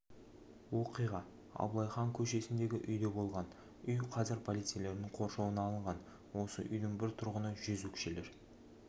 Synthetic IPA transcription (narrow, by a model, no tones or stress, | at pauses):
wo̞qijʁɑ | ɑ̰blˠɑjχɑŋkʲʰɵʃe̞sɪnd̪e̞ɡʲɪʔʏjd̪e̞bo̞lˠʁɑn | ʏjqʰɑzɪɾpʰolˠit̪sijele̞ɾd̪ɪŋqʰo̞ɾʃowənɑlˠəɴʁɑn | wo̞sə̰ʔʏ̰jd̪ɪŋbɪɾt̪ʰʊɾʁənəʒʏzwɵkʲʃe̞le̞ɾ